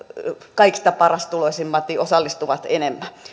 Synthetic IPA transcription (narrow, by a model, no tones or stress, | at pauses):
kɑiksi̥t̪æpɑrɑst̪uloisimːɑt̪niosɑlːist̪uʋɑt̪enemːæ